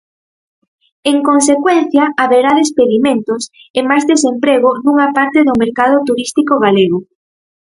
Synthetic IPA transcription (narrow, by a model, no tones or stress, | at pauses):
eŋkons̬ekwɛnθjɐʔaβeɾaðespeðimẽnt̪ʊs | emajzðesempɾeɣʊnuŋapaɾt̪eðʊmeɾkað̞ʊt̪uɾist̪ikoɣaleɣʊ